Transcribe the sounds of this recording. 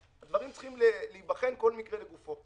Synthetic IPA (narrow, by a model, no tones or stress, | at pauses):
ad̪vaʁimtt͡sχimleliibaχenko̞lmikʁele̞ɡufo̞